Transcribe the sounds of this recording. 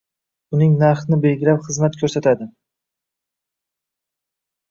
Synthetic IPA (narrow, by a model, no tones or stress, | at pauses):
ʊnɪŋnaɾχnɪbe̞lɡʲɪɾapχɨzmat̪kʰɵɾsat̪ʰad̪ɪ